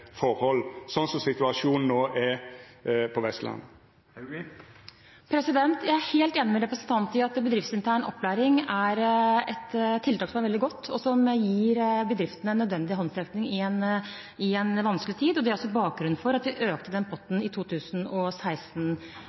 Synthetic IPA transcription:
fɔɾhɔlːsɔnsɔmsɪt̪ʉɑʂuːnn̩oːʔɛɾ | pʰɔʋɛst̪lɑ̰n | pʰɾɛsɪd̪ɛnt̪jæɪæheːlt̪eːnːɪmɛɾɛpɾəsnt̪ʰɑnt̪ɪɑt̪bəd̪ɾɪft̪sɪnt̪ʰæːɳɔ̰pːlæːɾɪŋæɾɛt̪t̪ʰːɪlt̪ɑːksɔmæɾʋɛld̪ɪɡɔt̪ːɔsɔmjiːɾbəd̪ɾɪft̪ənəɛnːœd̪ʋɛnd̪ɪɦɔnsɛkt̪nɪŋɪɛn | ɪɛnʋɑnsklɪt̪ʰiːd̪ɔd̪ɛæɾɔsːɔbɑːk̚ɡɾʉnfɔɾɑt̪ʋɪʔøːk̚t̪əd̪ɛnpʰɔt̪ːn̩ɪt̪ʰuːt̪ʰʉːsənɔsæɪst̪n̩

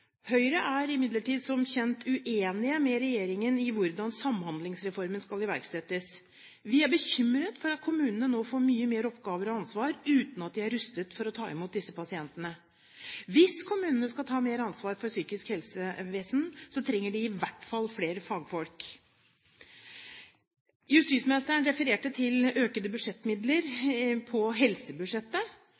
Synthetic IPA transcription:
hœʏɾəʔæɾɪmɪd̪ləʈiːd̪sɔmçɛnt̪ʰʉʔeːnɪəmɛɾɛjeːɾɪŋənɪʋʊɾd̪ɑnsɑmhɑnd̪lɪŋsɾɛfɔɾmənskɑlɪʋæ̰ɾksɛt̪ːəs | ʋɪæɾbəɕʏmɾət̪fɔɾɑt̪̚kʰʊmʉːnənənoːfoːɾmyːəmeːɾəɔpɡɑːʋəɾɔɑnsʋɑːɾʉːt̪nɑt̪̚d̪ɪæɾːʉst̪ət̪fɔɾɔt̪ʰɑːɪmuːt̪̚d̪ɪsːəpʰɑsɪɛnt̪ənə | ʋɪskʰʊmʉːnənəskɑlt̪ʰɑːmeːɾəɑnsʋɑːɾfɔɾsyːkɪskhɛlsəʋeːsnsɔt̪ʰɾɛŋːəɖɪɪʋæʈːfɑlfleːɾəfɑːɡfɔlk | jʉst̪iːt̪smnɪst̪əɳɾɛfəɾeːʈət̪ʰɪløːkənd̪əbʉd̪ʂɛt̪ːmɪd̪ləɾpʰɔɦɛlsəbʉʂɛt̪ːə

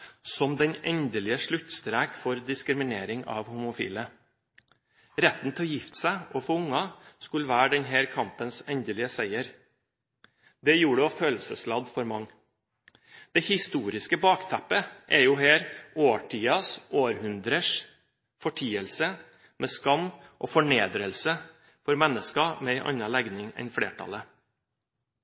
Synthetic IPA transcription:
sɔmd̪ɛnɛnd̪əlɪəʂɭʉt̪ːst̪ɾæːkfɔɾd̪ɪskɾɪmɪneːɾɪŋɑ̰ːʋhʊmʊfḭːlə | ɾɛt̪n̩t̪ʰɪlɔjɪft̪sæɪʔɔfɔʊŋɑskʉləʋæːɖɛnɦeːɾkʰɑmpənsɛnd̪əlɪəsæɪəɾ | d̪ɛjuːɖɛføːlsəslɑd̪fɔɾmɑŋː | d̪̥ɛhɪst̪uːɾɪskəbɑːkt̪ʰæpːəʔɛjʊheːɾoːʈʰiːɑsʔoːɾhʉnd̪ɾəʂ | fɔʈʰiːəlsə | mʔɛskɑmːʔɔfɔɳeːd̪ɾəlsə | fɔɾmɛnːəskɑmɛæɪʔɑ̰nɑlæɡnɪŋɛ̰nflḛːʈʰɑ̰lə

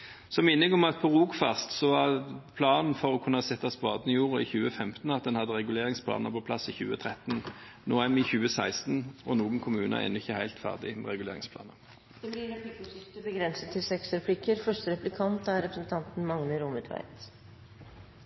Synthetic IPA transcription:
sɔmːɪnːɪŋɔmɑt̪̚pʰɔʁuːkfɑst̪sɔʋɑpʰlɑːnn̩fɔʁɔkʰʉnːɑsɛt̪ːɑsbɑːd̪nɪjuːʁɔɪçʉːəfɛmt̪n̩ɑt̪̚d̪ɛnhɑd̪ːəʁɛɡʉleːʁɪŋspʰlɑ̰ːnəʁpʰɔpʰlɑsɪçʉːət̪ʰʁɛt̪n̩ | noːæmɪçʉːəsæɪst̪n̩ɔnuːɡənkʰʊmʉːnə̰ɛ̰ːnʊɪçːəhæɪlt̪fæ̰ʁd̪ɪmɛ̰ʁɛɡʉlḛːʁɪ̰ŋspʰlɑ̰ːnəʁ | d̪̥ɛblɪɾɛpɪkːɪt̪əbəɡɾɛnsət̪ʰːɪlsɛksɾɛpʰlɪkːəɾfœʂʈəɾɛplɪkʰɑnt̪æɾɾɛpɾsən̩t̪ʰɑnt̪n̩mɑŋnəɾʊmʉt̪ʰʋæ̰ɪt̪

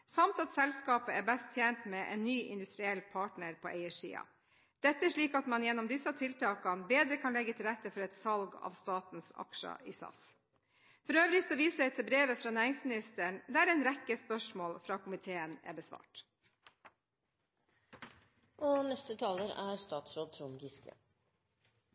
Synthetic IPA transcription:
sɑmt̪ɑt̪sɛlskɑːpəæɾbɛst̪ʰjeːnt̪mɛʔɛ̰nːyːʔɪ̰nd̪ʉst̪ɾɪɛlpʰɑːʈɳəɾpʰoːʔɛɪəʂḭːɑ̰ | d̪̥ɛt̪ːəæʂɭiːkɑt̪mɑnjɛnːɔmd̪ɪsːɑt̪ʰɪlt̪ʰɑːkɑnbeːd̪ɾəkʰɑnlɛɡːət̪ʰɪlɾɛt̪ːəfɔɾɛt̪sɑlɡɑ̰ʋst̪ɑːt̪n̩sɑ̰kʂə̰ʔḭːsɑ̰s | fɔɾøːʋɾɪt̪ɔʋiːsɛɪt̪ʰɪbɾeːʋəfɾɑːnæːɾɪŋsmɪnɪst̪əɳd̪ɛæːɾɛnɾɛkːəspœʂmoːlfɾɑːkʰʊmɪt̪ʰeːənæ̰ːɾbəsʋɑ̰ːʈ | ʔɔnɛst̪ət̪ʰɑːləɾæɾst̪ɑːt̪sɾoːd̪̚t̪ʰɾuːnɡɪst̪ə̰

